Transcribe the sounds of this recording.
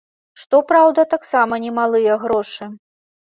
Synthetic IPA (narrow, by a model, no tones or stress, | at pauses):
ʂt̪ɔpɾawd̪ɐt̪aksamɐnʲɛmalˠɨjɐɣɾɔʂɨ